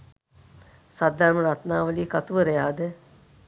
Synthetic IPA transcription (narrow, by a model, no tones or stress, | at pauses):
sad̪ʱːaɾməɾat̪naːʋəliːkat̪uʋəɾejaːd̪ɛ